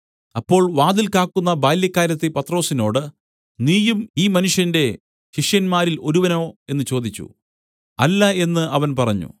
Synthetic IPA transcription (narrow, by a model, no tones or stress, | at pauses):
ɐpːo̞ːɭʋaːd̪ilkaːkːunːɐbaːjljɐkːaːɾjɐt̪ːipɐt̪ro̞ːsino̞ːɽɨ | niːjumiːmɐnuʂjɐnde̞ | ɕiʂjɐnmaːɾilo̞ɾuʋɐno̞ːe̞nːɨt͡ɕo̞ːd̪it͡ɕːṵ | ɐlːɐe̞nːɨɐʋɐnpɐrɐɲːṵ